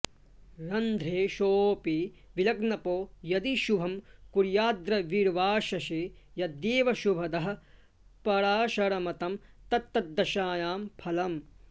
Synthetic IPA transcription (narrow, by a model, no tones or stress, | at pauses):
ɾɐnd̪ʱɾeːʃoːpi | ʋilɐɡnɐpoːjɐd̪iʃubʱɐmkuɾjaːd̪ɾɐʋiɾʋaːʃɐʃeː | jɐd̪jeːʋɐʃubʱɐd̪ɐɦɐ̆ | pɐɾaːʃɐɾɐmɐt̪ɐmt̪ɐt̪ːɐd̪ːɐʃaːjaːmpʰɐlɐm